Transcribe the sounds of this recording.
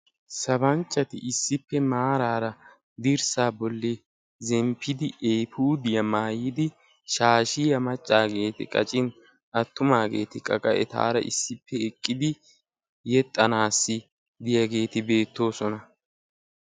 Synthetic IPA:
sɐbɐnt͡ʃʼːɐt̪ɪ̰ʔɪsːɪpːɛmaːɾaːɾɐ | d̪ɪɾsaːbɔlːɪ | zɛmpʰːɪd̪ɪɛjpuːd̪ɪjɐmaːjɪd̪ɪ | ʃaːʃɪjɐmɐt͡ʃʼːaːɡe̞ːt̪ɪ̰kʼɐ̰t͡ʃʼɪn | ɐt̪ːʊmaːɡeːt̪ɪkʼɐkʼɐʔɛ̰t̪a̰ːɾɐ̰ʔɪ̰sːɪpʰːɛɛkʼːɪd̪ɪ | jɛt̪ʼːɐnaːsːɪ | d̪ɪjɐɡe̞ːt̪ɪbe̞ːt̪ːo̞ːsɔnɐ

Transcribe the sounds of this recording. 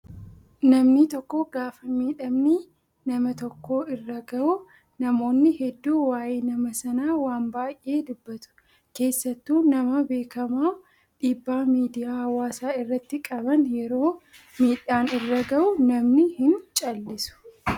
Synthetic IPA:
nɐmnɪt̪ɔkːoːɡaːfɐmiːᶑɐmniː | nɐmɐt̪ɔkːo̞ːɪrːɐɡɐʊ | nɐmo̞ːnːɪhɛd̪ːuːwaːjeːnɐmɐsɐnaːwaːnbaːjʔe̞ːd̪ʊbːɐt̪ʊ̥ | ke̞ːsːɐt̪ːuːnɐmɐbe̞ːkɐmaː | ᶑiːbːaːmiːd̪ɪjaːhɐwaːsaːɪrːɐt̪ːɪkʼɐbɐnjɛɾo̞ː | miːᶑːaːnɪrːɐɡɐʔʊnɐmnɪhɪnt͡ʃʼɐlːɪsʊ̥

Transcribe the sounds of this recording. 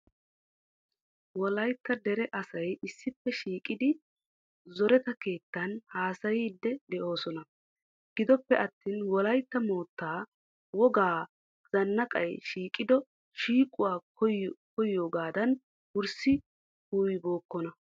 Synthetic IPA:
wɔlɐjt̪ːɐd̪ɛɾɛʔɐsɐjɪsːɪpːɛʃiːkʼɪd̪ɪ | zɔɾɛt̪ɐke̞ːt̪ːɐnhaːsɐjiːd̪ːɛd̪ɛʔo̞ːsɔnɐ | ɡ̥ɪd̪ɔpːɛʔɐt̪ːiːnwɔlɐjt̪ːɐmo̞ːt̪ːaː | wɔɡaː | z̥ɐnːɐkʼɐ̰jʃiːkʼɪd̪ɔ | ʃiːkʼʊwaː | ɔkɔjːo̞ːɡaːd̪ɐn | wʊɾsɪ | huːjbo̞ːkːɔnɐ

